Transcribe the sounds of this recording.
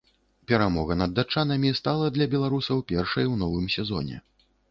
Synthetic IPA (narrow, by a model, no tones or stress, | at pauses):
pʲɛɾamɔɣɐnɐd̪ːat͡ʂanɐmʲist̪alˠɐd̪lʲɐbʲɛlˠaɾusɐwpʲɛrʂɐjwnɔvɨmsʲɛzɔ̰nʲɛ̰